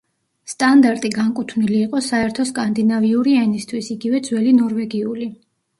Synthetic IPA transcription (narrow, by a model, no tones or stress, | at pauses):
st̪ʼand̪aɾt̪ʼiɡaŋkʼut̪ʰvniliːqʼɔsaɛɾt̪ʰɔskʼand̪inaviuɾiɛnist̪ʰwisiɡivɛd̪zwɛlinɔɾvɛɡiuli